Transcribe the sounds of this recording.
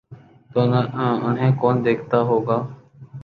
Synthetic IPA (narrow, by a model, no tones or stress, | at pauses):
t̪oːnːʊnɦẽːkoːnd̪eːkʰt̪aːɦoːɡaː